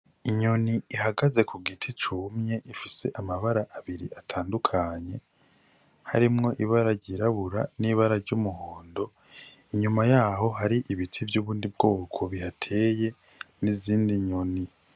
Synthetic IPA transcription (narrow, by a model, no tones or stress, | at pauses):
iɲo̞niihaɡaze̞kʰuɡitʰit͡ʃumɲe̞ʔifise̞ʔamaβaɾaʔaβiɾḭʔatʰaːndukʰaɲe̞ | ha̰ɾimŋo̞ʔiβaɾaɾɟiɾaβuɾa̰niːβaɾaɾɟumuɦoːndo̞ | iɲumajaːɦo̞ɦaɾiʔiβitʰivjuːβuːndib̚ɡo̞ːkʰo̞βihatʰe̞je̞ | niziːndiɲo̞ni